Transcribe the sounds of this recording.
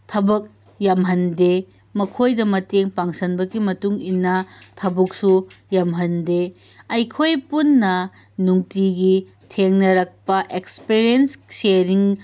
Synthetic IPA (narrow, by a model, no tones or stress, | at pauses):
tʰɐbɐk̚ | jɐmɦɐnde | mɐkʰojdɐmɐteŋpaŋsɐnbɐɡimɐtuŋinːɐtʰɐbuk̚sujɐmɦɐnde | ɐjkʰojpunːɐ | nuŋtiɡi | tʰeŋnɐɾɐk̚pɐʔekspiɾiensseɾiŋ